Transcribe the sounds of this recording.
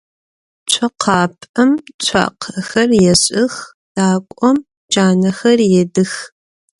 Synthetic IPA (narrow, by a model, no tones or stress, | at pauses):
t͡ɕʷʰɐqʰɑːpʰʼɐmt͡ɕʷʰa̰ːqʰxɐrjɛɕʼɪx | d̥aːkʷʼɔm | d͡ʒaːnɐxɐrjɛdɨx